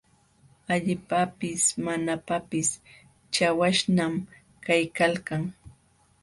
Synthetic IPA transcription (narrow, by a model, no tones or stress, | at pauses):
aʎɪpapɪsmanapapɪs | t͡ʃawaʃnam | kajkalkaŋ